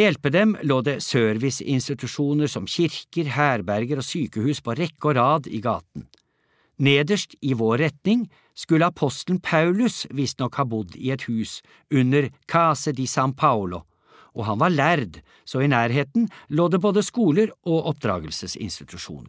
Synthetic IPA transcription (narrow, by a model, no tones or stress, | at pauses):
jɛlpəd̪ɛmloːd̪ɛsøːɾʋɪsɪ̰nst̪ɪt̪ʉʂuːnəɾsɔmçɪɾkəɾhæːɾbæɾɡəɾɔsyːkəhʉːspʰɔɾɛkːɔɾɑːd̪ɪ̰ɡɑ̰ːt̪n̩ | neːd̪əʂtɪʋoːɾɛt̪nɪŋ | skʉlːəɑpʰɔst̪lnpʰɑʉlʉsʋɪst̪nɔkhɑːbʊd̪ːɪɛt̪hʉːs | ʉnːəɾkʰɑsəd̪isɑŋpʰɑʊlʊ | ʔɔɦɑnʋɑɾɭæɾd̪ | sɔɪnæːɾɦeːt̪nloːd̪ɛboːd̪əskuːləɾʔɔʔɔp̚d̪ɾɑ̰ːɡəlsəsɪ̰nst̪ɪt̪ʰʉʂṵːnəɾ